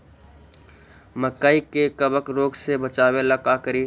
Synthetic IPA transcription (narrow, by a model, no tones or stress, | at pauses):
məkaːikekəbəkɾoːɡsebət͡ʃaːweləkaːkəɾi